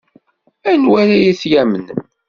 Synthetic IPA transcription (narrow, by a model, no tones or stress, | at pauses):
ænwæɾæjæθjæmən